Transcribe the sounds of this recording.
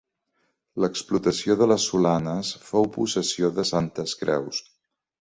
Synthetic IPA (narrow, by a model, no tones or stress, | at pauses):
ləksplut̪əsioðələsːulanəsfowpusəsioðəsant̪əskɾɛ̰ws